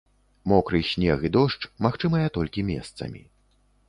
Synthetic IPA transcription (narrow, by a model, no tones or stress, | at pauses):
mɔkɾɨjsʲnʲɛɣid̪ɔʂt͡ʂmaxt͡ʂɨmɐjɐt̪ɔlʲkʲimʲɛ̰st̪sɐ̰mʲḭ